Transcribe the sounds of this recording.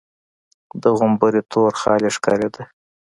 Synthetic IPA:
d̪əɣʊmbəɾit̪ʰoɾxɑ̰leʂkɑ̰ɾed̪a

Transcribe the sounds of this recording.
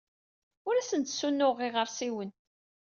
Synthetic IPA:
ʊɾæsənt̪sːunːʊʁɪʁəɾsiwən

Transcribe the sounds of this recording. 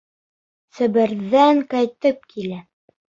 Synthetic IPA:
sɵ̆bɘ̆ɾðæŋkæjt̪ɘp̚kʰilæ

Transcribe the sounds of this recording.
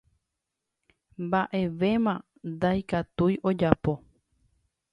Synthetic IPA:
mbaʔe̞ʋe̞mã | nd̪ajkat̪ujʔo̞d͡ʒapo̞

